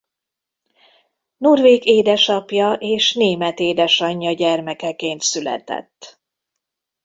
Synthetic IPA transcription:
nurveːɡeːd̪ɛʃɒpjɒʔeːʃneːmɛt̪eːd̪ɛʃɒɲːɒɟɛrmɛkɛkeːnt̪sylɛ̰t̪ɛ̰t̪ː

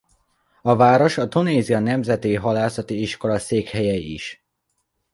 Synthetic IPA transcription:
ɒvaːɾo̞ʃɒt̪uneːziɒnɛmzɛt̪iɦɒlaːsɒt̪iiʃko̞lɒseːkhɛjɛḭʃ

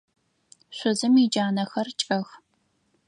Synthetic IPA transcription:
ɕʷʊzɨmid͡ʒaːnɐxɐrt͡ʃʼɐx

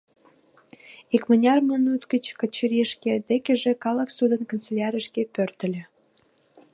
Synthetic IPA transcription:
ikmənʲɑrmənut̪kət͡ɕkət͡ɕəɾiʃkʲed̪ekʲeʒĕkɑləksud̪ənkənt͡selʲɑɾʲəʃkepørt̪ə̆lʲĕ

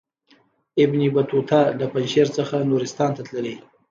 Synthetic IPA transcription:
ɪbnibat̪ut̪ʰɑləpanʃeɾt͡səxanuɾɪst̪ɑnt̪at̪ləle

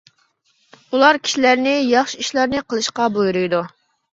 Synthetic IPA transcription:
ulˠɑɾkʲʰi̥ʃilæɾnɪjɑχʃiiʃlˠɑɾnɨqʰəlˠɨʃqɑbojɾujd̪u

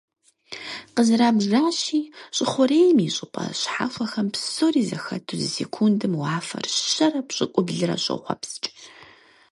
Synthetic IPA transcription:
qəzɨɾaːbʒʒaːɕiːɕʼɪχʷʊɾeːjmiɕʼɪpʼɐ̰ɕħa̰ːfʷɐxɐmpsoːriːzɐxɐtʰuzɨsekʰundɨmwaːfɐ̰rɕɐrɐpɕʼɪkʷʼʊbɮɨɾɐ̰ɕʼɨ̰χʷɐ̰pst͡ʃʼ

